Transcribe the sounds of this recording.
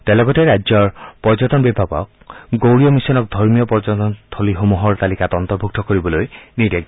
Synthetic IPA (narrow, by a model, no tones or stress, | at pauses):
tɛlɔɡɔteɹajd͡ʒɔɹpɔd͡ʒɔtɔnbibʱapɔ̰k̚ | ɡowɹiɔmisɔnɔk̚d̪ʱɔɹmijɔpɔd͡ʒɔtɔnt̪ʰoliɦomuɦɔɹt̪alikatɔnt̪ɔɹbʱuk̚tɔkoɹibɔlojniɾeɡ̚